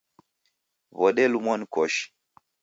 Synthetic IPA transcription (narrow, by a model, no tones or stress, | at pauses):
vɔɗɛlumɔnkɔʃ